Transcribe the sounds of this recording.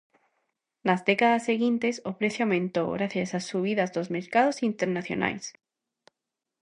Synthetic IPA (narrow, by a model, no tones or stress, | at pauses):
nazðe̞kaðasːeɣjint̪e̞sopɾe̞θjoawmẽnt̪o̞ɣɾaθjasasuβ̞iðazd̪ozme̞ɾkaðo̞sint̪eɾnaθjo̰nʔa̰js